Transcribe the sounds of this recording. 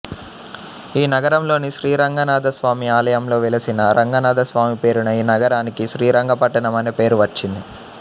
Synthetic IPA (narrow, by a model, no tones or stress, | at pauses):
iːnɐɡɐɾɐmlo̞ːniʃɾiːɾɐŋɡɐnaːd̪ɐsʋaːmiaːlɐjɐmlo̞ːʋɛlɐsinɐɾʔɐŋɡɐnaːd̪ɐsʋaːmipe̞ːɾunɐiːnɐɡɐɾaːnikiʃɾiːɾɐŋɡɐpɐʈːɐɳɐmɐnepe̞ːɾuʋɐt͡ʃːind̪i